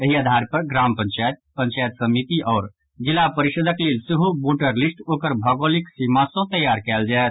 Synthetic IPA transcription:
əɦiad̪ʱaɾpəɾɡɾampənt͡ʃajt̪̚pənt͡ʃajt̪səmit̪iʔɔːɾ | d͡ʒilːapəɾiʃəd̪ʱəkleːlsiɦuboʈəɾlisʈoːkəɾbʱəɡoliksimasõt̪əjaɾkɛld͡ʒaɛet̪̚ʰ

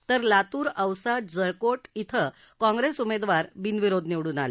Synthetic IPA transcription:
t̪əɾlat̪uːɾəwsad͡zəɭkoʈit̪ʰə | kɔ̃ŋɡɾesumed̪ʋaɾbinʋiɾod̪ʱniʋɽuːnale

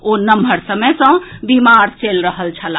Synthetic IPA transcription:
onəmbʱəɾsəməjsə̃bimaɾt͡ʃelɾəɦəlt͡ʃʰəla

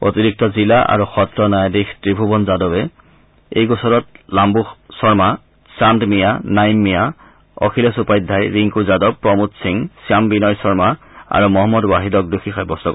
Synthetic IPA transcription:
o̰tiɹik̚tɔzilaʔa̰ɹuxɔtɹɔnajadikʰtɹibʱubɔnzadɔbɛ | ejɡɔsɔɾɔt̚lambuxsɔɹma | sandmijanajmːija | ɔ̰kʰilɔsupajdʱːajɹiŋkuzadɔb̚pːɹɔmutsiŋsijambinɔjsɔɹmaa̰ɹumɔɦɔmːɔdwaɦidɔk̚duxʰixajbɔstɔk

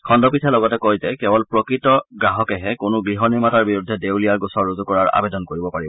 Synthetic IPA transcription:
kʰɔndɔpitʰɛlɔɡɔtɛkojzɛkɛbɔlpɹɔkɹitɔɡɹaɦɔkɛɦɛkʊnʊɡɹiɦɔniɹmataɹbiɹudʱːɛdewlijaɹɡusɔɹːozukɔɹaɹa̰bedɔnkoɹibɔpaɹibɔ

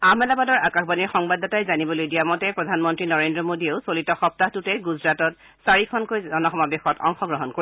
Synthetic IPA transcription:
amɛlabadɔɹakaxbaniɹxɔŋbadɔtajzanibɔlojdijamɔtɛpɹɔdʱanmɔntɹinɔɹendɹɔmodieʊsolitɔxɔp̚taɦtutɛɡuzɹatɔt̚ | saɹikʰɔnkojzɔnɔxɔmabexɔtɔ̰ŋxɔɡɹɔɦɔnkoi

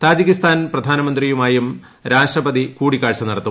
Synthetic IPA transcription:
t̪aːd͡ʑikːist̪ʰaːnprɐd̪ʱaːnɐmɐnd̪rijumaːjum | ɾaːʂʈrɐbɐd̪ikuːɽikːaːɻt͡ɕɐniɽɐt̪ːu

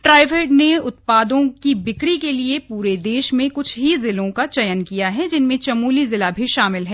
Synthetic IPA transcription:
ʈɾaːɪʋeːʈneʊt̪̚paːd̪õkibɪkɽikeliepuːɾed̪eːʃmẽkʊt͡ʃʰɦizɪlõkat͡ʃɐjənkijaɦɛd͡ʒɪnmẽt͡ʃɐmuːlizɪlabʱiʃaːmɪlɦɛː

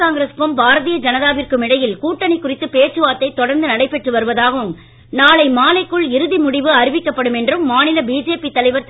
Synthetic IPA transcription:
aːŋɡɾɐspɯmbaːɾɐðijɐd͡ʒɐnɐðaːʋɪrkɯmɪɽɐjɪlkuːʈːɐnɪkːʊrɪt̪ːɯpeːrt͡ʃɯʋaːt̪ːɐɪt̪ɔɽɐɾnd̪ɯnɐɽɐɪpːɛʈrɯʋɐɾɯʋɐðaːɣɐʋɯm | naːlɐɪmaːlɐɪkːɯɭɪɾɯðimʊɽɪʋɯɐɾɪʋɪkːɐpːɐɽɯmɛndrɯmːaːnɪlɐbiːd͡ʒeːpit̪ːɐlɐɪʋɐɾt̪

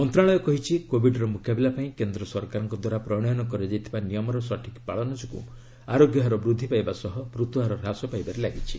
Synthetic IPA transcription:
ɔnt̪ɾaɭɔjɔkɔɦit͡ʃʰikobʱiɖɔɾɔmukʰjabilapaĩkend̪ɾɔsɔɾkaɾɔŋkɔd̪waɾapɾɔɽ̃ɔjɔnɔkɔɾed͡ʒajt̪ʰibanijɔmɔɾɔsɔʈʰikpaɭɔnɔd͡ʒɔkṵ | aɾoɡjɔɦaɾɔbɾud̪ʱːipajbasɔɦɔmɾut̪uɦaɾɔɾasɔpajbaɾelaɡit͡ʃʰi

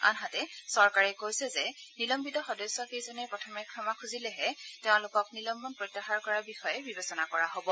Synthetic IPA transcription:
a̰nɦatɛsɔɹkaɹɛkojsɛzɛnilɔmbitɔxɔdɔsɔkejzɔnɛpɹɔtʰɔmɛkʰɹɔmakʰuzilɛɦɛtɛʊ̃lʊkɔknilɔmbɔnpɹotːaxaɹkɔɹabixɔjɛbibesɔnakɔɹaɦobɔ

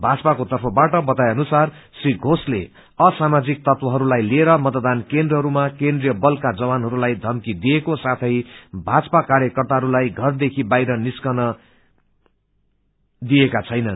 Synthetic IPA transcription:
bʱad͡zpakot̪ʌrpʰʌbaʈʌbʌt̪ajʌnusar | sriɡʱosle | ʌsamad͡zik̚t̪ʌt̪wʌɦʌɾulajlieɾʌmʌt̪d̪ankend̪rʌɦʌɾumakend̪rijʌbʌlkad͡zʌwanɦʌɾulajd̪ʱʌmkid̪iekosat̪ʰʌjbʱad͡zpakaɾjʌkʌrt̪aɦʌɾulajɡʱʌrd̪ekʰibajɾʌniskʌnʌ | d̪iekat͡sʰʌjnʌn

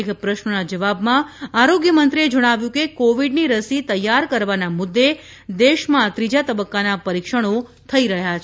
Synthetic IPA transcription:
ekpɾəʃnənad͡ʒəʋabmãaɾoɡjəmənt̪ɾied͡ʒəɽ̃aʋjũkekoʋiɖniɾəsit̪əjːaɾkəɾʋanamʊd̪ːe | d̪eʃmãt̪ɾid͡ʒat̪əbəkːanapəɾikʃəɽ̃ot̪ʰəiɾəɦjat͡ʃʰ

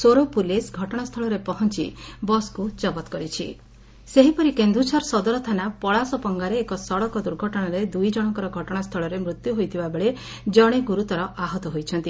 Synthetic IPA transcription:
soɾopulesɡʱɔʈɔɽ̃ast̪ʰɔɭɔɾepɔɦɔnt͡ʃḭbɔskut͡ʃɔbɔt̪kɔɾit͡ʃʰḭ | seɦipɔɾikend̪ut͡ʃʰɔɾsɔd̪ɔɾɔt̪ʰanapɔɭasɔpɔŋɡaɾeːkɔsɔɽɔkɔd̪uɾɡʱɔʈɔɽ̃aɾed̪ujd͡ʒɔɽ̃ɔŋkɔɾɔɡʱɔʈɔɽ̃ast̪ʰɔɭɔɾemɾut̪juɦojt̪ʰibabeɭe | d͡ʒɔɽ̃eɡuɾut̪ɔɾɔʔaɦɔt̪ɔɦojt͡ʃʰɔnt̪i

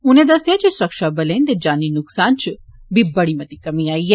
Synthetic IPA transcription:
ʊnẽd̪ɐsijat͡ʃesɾɐkʃabɐlẽːnd̪ed͡ʒaːninʊksaːnt͡ʃ | bʱibɐɽimɐt̪ikɐmiaːiɦɛː

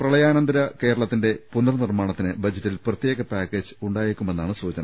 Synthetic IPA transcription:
prɐɭɐjaːnɐnd̪ɐɾɐke̞ːɾɐɭɐt̪ːinde̞punːɐrnirmaːɳɐt̪ːinɨbɐd͡ʑɐtːilprɐt̪jeːɣɐpaːkːeːd͡ʑɨuɳɖaːjiɾikʲːumenːaːɳɨsuːd͡ʑɐnɐm

